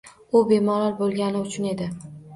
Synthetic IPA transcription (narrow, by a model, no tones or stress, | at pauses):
ʊbe̞mɒlaɾbolˠɡʲanɪʊt͡ʃʰʊne̞d̪ɪ